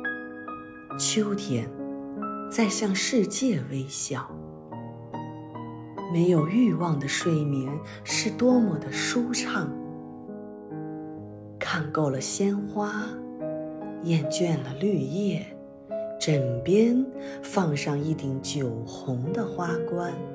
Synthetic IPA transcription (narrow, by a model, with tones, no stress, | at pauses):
t͡ɕʰjo˥ʊt̪ʰjɛ˨˩˦n | t͡sa˥˧ɪɕjɑ˥˧ŋʂɻ̩˥˧t͡ɕjɛ˥˩we˥ɪɕjɑ˨˩˦ʊ | me˧˥ɪjo˨˩ʊy˥˧wɑ˥˩ŋd̪ə˩ʂwe˥˩ɪmi˧˥ŋ | ʂɻ̩˥˩t̪wɔ˥mɔ˨˩d̪ə˦ʂu˥ʈ͡ʂʰɑ˥˩ŋ | kʰa˥˧nko˥˩ʊlə˩ɕjɛ˥nxwa˥ | jɛ˥˧nt͡ɕɥɛ˥˧˩nlə˩ly˥˧jɛ˥˩ | ʈ͡ʂə˨˩ŋpjɛ˥n | fɑ˥˧ŋʂɑ˥˧ŋi˥˩t̪i˨˥ŋt͡ɕjo˨˩ʊxʊ˧˥ŋd̪ə˧xwa˥kwa˥n